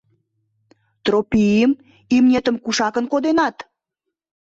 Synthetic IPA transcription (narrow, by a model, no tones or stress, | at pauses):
t̪ropijəm | imnʲet̪ə̆mkuʃɑkənkod̪enɑt̪